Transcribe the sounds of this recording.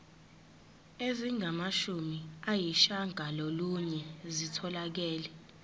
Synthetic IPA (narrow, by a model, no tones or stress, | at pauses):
eziŋʱamaʃumiajiʃaŋaloluɲɛzitʰɔlak̬ɛːlɛ